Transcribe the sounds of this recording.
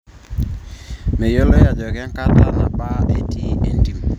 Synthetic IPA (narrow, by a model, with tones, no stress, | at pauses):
me˨jo˦lo˦ja˨d̪ɔ˨kɛ˦ŋ˦ka˦t̪a˦na˨pa˦ʔe˦ti˦e˦nti˨m